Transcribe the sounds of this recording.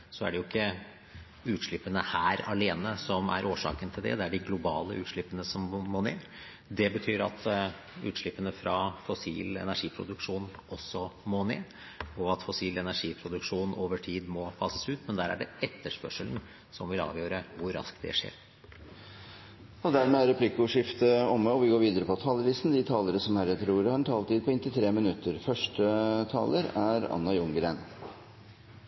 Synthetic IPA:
sɔæ̰ɖɛjʊɪkːə | ʉːt̪ʂɭɪpːənəhæːɾɑleːnəsɔmæ̰ɾʔoːʂɑ̰ːkənt̪ʰɪld̪ɛ̰d̪ɛæɖɪɡlʊbɑ̰ːləʔʉːt̪ʂɭɪpːənəsɔmːomoːneː | d̪ɛbət̪ʰyːɾɑ̰t̪ | ʉ̰ːt̪ʂɭɪpːənəfɾɑfɔsḭːlɛ̰næʂiːpʰɾʊ̰d̪ʉkʂuːnʔɔsːɔmoːnḛː | ɔɑt̪fɔsiːlɛnæʂiːpʰɾʊd̪ʉkʂuːnʔoːʋəʈʰiːd̪mɔpʰɑsəsʉːt̪mɛnd̪æɾæ̰ɖɛɛt̪ːəʂpœʂəln̩ | sɔmʋɪlɑ̰ːʋjøːɾəʋʊɾːɑ̰sk̪d̪ɛ̰ʂḛːɾ | ɔd̪æɾmeːæɾɛpʰlɪkːʊʂɪft̪əɔmːəɔʋɪɡoːɾʋiːd̪əɾəpɔt̪ʰɑːləlɪst̪n̩d̪ɪt̪ʰɑːləɾəsɔmhæɾɛt̪əɾuːɾhɑɾɛnt̪ʰɑːlt̪iːd̪̚pʰɔɪnt̪ɪt̪ʰɾeːmɪnʉt̪ːəɾfœʂʈət̪ʰɑ̰ːləɾæɾɑ̰nːɑjʊŋɡəɾeːn

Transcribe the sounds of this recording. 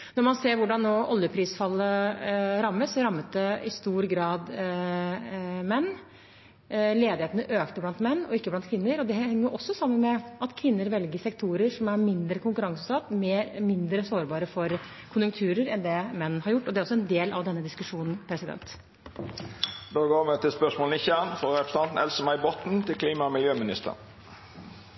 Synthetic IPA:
nɔɾmɑnseːɾʋʊɖɑnːoːʔɔljəpʰɾiːsfɑlːəɾɑmːəsɔɾɑmːət̪̚d̪ɛɪst̪uːɾɡɾɑːd̪ | mɛnː | leːd̪ɪheːt̪nəʔøːkt̪əblɑnt̪mɛnːɔ̰ɪkːəblɑnt̪kʰʋɪnːəɾɔd̪ɛhhɛŋːəɾʔɔsːɔsɑmːənmɛɑt̪kʰʋɪnːəɾʋɛlɡəsɛkt̪ʰuːɾəɾʂɔmæɾmɪnd̪ɾəkʰʊŋkʉɾɑŋsəsɑt̪ːmeːɾmɪnd̪ɾəsoːɾbɑːɾəfɔɾ | kʰʊnjʊŋkt̪ʰʉːɾəɾɛnd̪ɛmɛnːn̩hɑɾjʊʈːɔd̪ɛæɾɔsːɔɛnd̪eːlɑʋd̪ɛnːəd̪ɪskʉʂuːnn̩pʰɾɛsɪd̪ɛ̰nt̪ | d̪oːɡoːmɛt̪ʰɪlspœsmoːlənɪçæʁnfɔʁɛpɾəsɑnn̩ɛlsəmæɪbɔt̪n̩t̪ʰɪlkʰliːmɑmɪljøːmɪnɪst̪ʰə̰ʁn

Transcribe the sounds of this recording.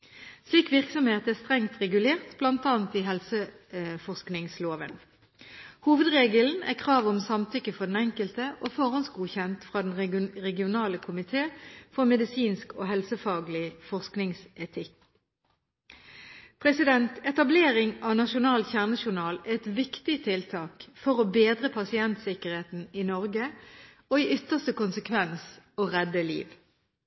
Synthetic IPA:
sliːkʋɪʁksɔmheːt̪əæʁst̪ʁɛŋt̪ʁɛɡʉleːʁt̪blɑnt̪ɑːnt̪iɦɛlsə | fɔʁsknɪŋsloːʋən | huːʋəd̪ʁeːɡəln̩æ̰kʰʁɑːʋɔmsɑmt̪ʰʏkːəfɔʁd̪n̩ɛŋkəlt̪əʔoːfɔʁɑnsɡuːçɛnt̪fʁɑːd̪ɛn̩ʁɛɡɪʊnɑːləkʰʊmɪt̪ʰeːfɔʁmɛd̪ɪsiːnsko̰ːɦɛlsəfɑːɡlɪfɔʁsknɪŋsɛt̪ʰɪk | pʰʁɛsɪd̪ɛnt̪ʰɛt̪ɑbleːʁɪŋɑːʋnɑʃʊnɑːlçæʁnəʃʊʁnɑːlæɛt̪ʋɪkt̪ɪt̪ʰɪlt̪ʰɑːkfɔʁɔbeːd̪ʁəpʰɑsɪɛnt̪sɪkəʁheːt̪n̩ɪnɔʁɡə | oːiːʔʏt̪əʁst̪əkʊnsəkʰʋɛnsoːʁɛd̪əlḭːʋ

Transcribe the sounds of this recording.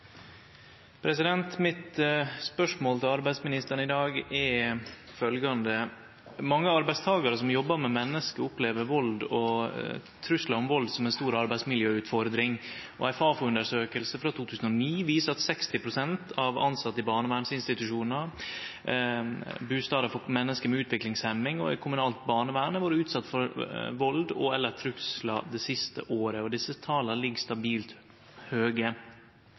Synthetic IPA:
pʰɾɛsɪd̪ɛnt̪mɪt̪spœʂmoːlt̪ɪlɑɾbæɪsmɪnɪst̪əɾɳɪd̪ɑːɡɛɾfœlɡɑnd̪ə | mɑŋːəɑɾbæɪst̪ʰɑːɡɑɾəsɔmjɔbːəmɛmɛnːəskəʊpleːʋəɾʋɔld̪ɔ | t̪ʰɾʉslɑɾɔmʋɔld̪sɔmɛnst̪uːɾɑɾbæɪsmɪljøːʉːt̪fɔɾd̪ɾɪŋʔɔ̰æɪfɑːfɔʉnd̪əʂøːkəlsəfɾɑt̪ʰuːt̪ʰʉːsən̩ɔniːʋiːsəɾɑt̪sɛkst̪ɪpʰɾʊsɛnt̪ʰɑʋɑ̰nsɑt̪ːəɪbɑːɳəʋæːɳsɪnst̪ɪt̪ʉʂuːnnə | bʉːst̪ɑːd̪əfɔmɛnːəskəmɛʉːt̪ʰʋɪklɪŋshɛmːɪŋɔ̰æ̰ɪkʰʊmʉnɑːlt̪̚bɑːɳəʋæːɳəʋɑːɾʉːt̪sɑt̪ːfɔɾʋɔld̪ɔ̰ɛlːət̪ʰɾʉslɑd̪ɛsɪst̪ə̰ʔoːɾəɔd̪ɪsːət̪ʰɑːləlɪɡst̪ɑbiːlt̪ | høːɡə

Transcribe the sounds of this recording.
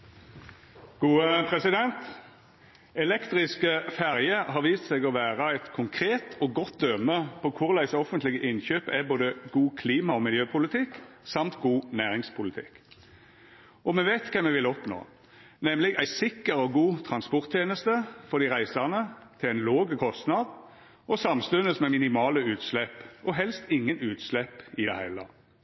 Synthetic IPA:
ɡ̥uːəpʰʁɛsɪd̪ɛnt̪ | ɛlɛkt̪ʁɪskəfæʁjəɦɑʁʋiːst̪sɛɡɔʋæːʁəæɪt̪kʰʊŋkʰʁeːt̪ʰɔɡɔt̪̚d̪œməpʰɔkʰʊʁlæɪsɔfənt̪lɪɡəʔɪnçøːpæboːd̪əɡuːkʰliːmɑɔmɪljøːpʰʊlɪt̪ʰɪksɑmt̪ɡuːnæːʁɪŋspʰʊlɪt̪ʰɪ̰k | ʔɔmɛʋeːt̪kʰɛmːɛʋɪlɔpno̰ː | nɛmlɪɡæɪsɪkːəʁɔɡuːt̪ʰʁɑnspɔʁt̪ʰjeːnəst̪əfɔʁd̪ɪʁæɪsɑʁnət̪ʰɪlæɪnloːɡəkʰɔst̪nɑd̪ | ɔsɑmst̪ʉnəsmɛmɪnɪmɑːləʉːt̪slɛpːɔɦɛlst̪ɪŋːənʉːt̪slɛpɪd̪ɛ̰hæɪlə̰

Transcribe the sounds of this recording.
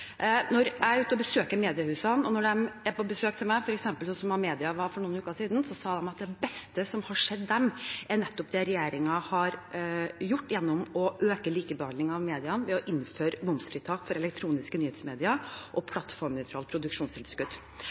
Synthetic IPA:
nɔɾæɪʉːt̪əɔbəsøːkəmeːd̪ɪəhʉːsɑnɔnɔɖɛmæpɔbəsøːkt̪ʰɪlmæɪfɔɾɛksɛmpəlsɔsɔmɑmeːd̪ɪɑʋɑɾfɔɳuːnʉːkɑʂiːd̪n̩sɔsɑːd̪ɛmɑt̪̚d̪ɛbɛst̪əsɔmhɑʂɛd̪ːɛmʔæɳɛt̪ːɔp̚d̪ɛɾɛjeːɾɪŋɑhɑɾ | jʊʈːjɛnːʊmɔʔøːkəliːkəbəhɑnd̪ɪŋɑʋmeːd̪ɪɑnʋɛɔʔɪnːføːɾəmʊmsfɾiːt̪ʰɑːkfɔɾɛlɛk̚t̪ʰɾuːnɪskənyːheːt̪smeːd̪ɪɑʔɔpʰlɑt̪fɔɾmnœʏt̪ʰɾɑːl̚pʰɾʊd̪ʉkʂuːnst̪ʰɪlskʉd̪̥

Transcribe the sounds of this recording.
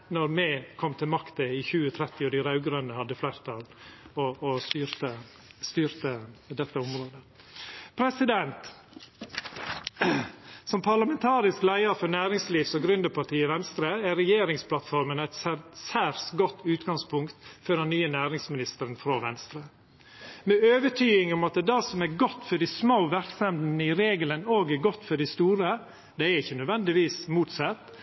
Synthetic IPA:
nɔɾmɛkʰɔmt̪ʰɪlmɑkt̪əɪçʉːət̪ʰɾɛt̪ɪɔd̪æɾɑʉɡɾœnəhɑd̪ːəflæɪɾt̪ʰɑlɔʔːst̪yːɾt̪ə | st̪yːɾt̪əd̪ɛt̪ːəʊmɾoːd̪ə | pʰɾɛsɪd̪ɛnt̪ | sɔmpʰɑɭɑmɛnt̪ʰɑːɾɪsklæɪəɾfɔnæːɾɪŋsliːʋsɔɡɾʉnd̪əpʰɑʈiːɪʋɛnst̪ɾəæɾɛjeːɾɪŋspʰlɑt̪fɔɾmənæɪt̪ssæɾsɡɔt̪ːʉːt̪ɡɑŋspʰʊŋkt̪fɔdɛnːyːənæːɾɪŋsmɪnɪst̪əɾənfɾoːʋɛ̰nst̪ɾə | mɛøːʋəʈʰyːɪŋʊmɑt̪̚ɛd̪ɑsɔmæɾɡɔt̪ːfɔɖɪsmoʊʋæɾksɛmd̪n̩əɪɾeːɡələnoːɡæɡɔt̪ːfɔɖɪst̪uːɾə | d̪ɛæɾɪçːənœd̪ʋɛnd̪ɪʋiːsmuːt̪sɑt̪ː

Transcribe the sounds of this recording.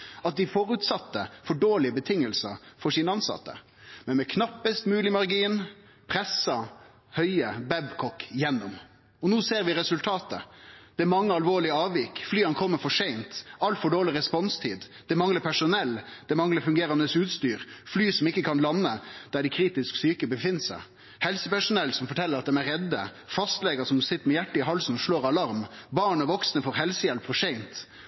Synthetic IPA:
ɑt̪̚d̪ɪfoːɾʉt̪sɑt̪ːəfɔɖoːɭɪəbət̪ʰɪŋːəlsəɾfɔʂiːnəɑnsɑ̰t̪ːə̰ | mɛnmɛkʰnɑpːəst̪mʉːlɪmɑɾɡiːn | pʰɾɛsɑ | hœʏəbɛbkʰɔkːjɛnːɔm | ɔnuːseːɾʋɪɾɛsʉlt̪ʰɑːt̪ə̰d̪̥ɛæɾmɑŋːəɑlʋoːɭɪəɑːʋjɪkːflyːɑnkʰɔmːəfɔʂɛɪnt̪ɑlt̪fɔɖoːɭɪɾɛspɔnst̪ʰḭːd̪ | d̪̥ɛmɑŋləpʰæʂʊnɛlːd̪̥ɛmɑŋləɾfʉŋɡeːɾɑnd̪əsʉːt̪st̪yːɾflyːsɔmɪkːəkʰɑnlɑnːəd̪̥æɖɪkʰɾiːt̪ɪsksyːkəbəfɪnːsæ̰ɪ | hɛlsəpæʂʊnɛlsɔmfɔʈʰɛlːəɾɑt̪̚d̪ɛmæɾɛd̪ːə̰ | fɑst̪lɛɡəsɔmsɪt̪ːəɾmɛjæʈːəɪɦɑlsn̩ɔʂɭoːɾɑlɑɾmbɑːɳɔʋɔksnəfɔɾɦɛlsəjɛlpfɔʂɛɪnt̪

